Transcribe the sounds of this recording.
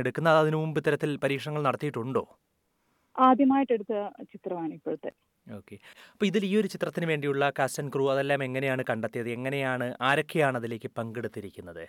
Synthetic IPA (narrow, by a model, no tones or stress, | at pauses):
eɽukʲːunːɐːðɐðinumumbɨt̪ːɐɾɐt̪ːilpɐɾiːkʂɐɳɐŋːɐɭnɐɽɐt̪ːijiʈːuɳɖo̞ː | aːd̪ʱjɐmaːjiʈːeɽut̪ːɐt͡ɕit̪rɐʋaːnpːeɻut̪ːe | o̞ːkːe̞ɐpːoːiðiliːo̞ɾut͡ɕit̪rɐt̪ːinɨʋe̞ːɳɖijuɭːɐkasɐnkruɐðe̞lːaːme̞ŋːɐnejaːɳɨkɐɳɖɐt̪ːijɐðɨe̞ŋːɐne̞jaːɳɨʔaːɾɐkʰːejaːɳɐðile̞ːkʲːɨpɐŋɡe̞ɽut̪ːiɾikʲːunːɐðɨ